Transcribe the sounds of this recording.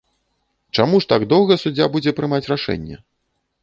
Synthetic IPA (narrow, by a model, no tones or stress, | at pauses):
t͡ʂamuʂt̪aɡd̪ɔwˠɣɐsud͡zʲːabud͡zʲɛpɾɨmat͡sʲraʂɛ̰nʲːɛ̰